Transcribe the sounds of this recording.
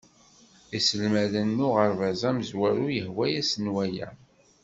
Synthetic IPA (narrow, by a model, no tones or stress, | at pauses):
isəlmæðənːʊʁəɾvæzæməzwæɾujəhwæjæsənwæjæ̰